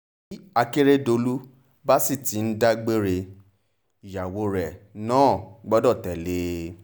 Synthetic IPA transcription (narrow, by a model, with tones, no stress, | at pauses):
i˦a˧ke˦ɾe˦do˧lu˦ | ba˦si˦˨ti˨˦n̩˦da˦ɡ͡be˦ɾe˧ | i˨ja˨wo˨˧ɾɛ˨nãː˦˨ɡ͡bɔ˦dɔ˦˨tɛ˨le˨˦